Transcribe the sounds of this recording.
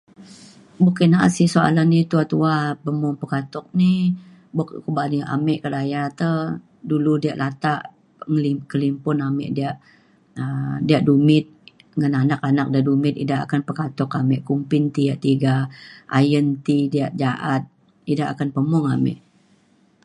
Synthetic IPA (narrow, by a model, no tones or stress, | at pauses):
bukɪnaʔa̰ʔsisoa̰lanːit̪uat̪uapəmʊŋpəkat̪ɔk̚ni | bukkubaniʔa̰mɪʔkədajat̪ə | duludiaʔlat̪aʔ | ŋlikəlimpʊnamɪ̰ʔdiaʔ | ədiaʔdumɪt̪̚ | ŋananakanak̚diaʔdumɪt̪idaɦa̰kanpəkat̪ɔkamɪʔkumpɪnt̪iaʔt̪iɡaʔajənt̪idiaʔd͡ʒaʔat̪̚ | idaɦa̰kanpəmʊŋa̰mɪ̰ʔ